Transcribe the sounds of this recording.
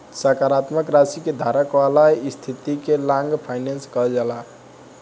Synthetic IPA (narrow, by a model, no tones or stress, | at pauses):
səkaɾat̪məkɾasiked̪ʱaɾəkʋalaist̪ʰit̪ikelãŋɡpʰajnenskəld͡ʒala